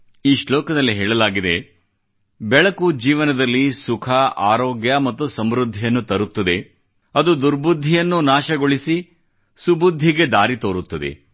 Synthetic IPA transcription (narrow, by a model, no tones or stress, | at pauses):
iːʃlɔːkɐd̪ɐlːiɦɛːɭɐlaːɡid̪e̞ | bɛɭɐkud͡ʒiːʋɐnɐd̪ɐlːisukʰɐaːɾoːɡjɐmɐt̪ːusɐmɾud̪ʱːijɐnːut̪ɐɾut̪ːɐd̪e̞ | ɐd̪ud̪uɾbud̪ʱːijɐnːunaːʃɐɡoɭisi | subud̪ʱːiɡe̞d̪aːɾit̪oːɾut̪ːɐd̪ḛ